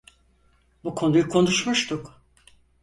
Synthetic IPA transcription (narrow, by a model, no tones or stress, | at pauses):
bukʰo̞nujkʰo̞nuʃmuʃt̪ʰʊk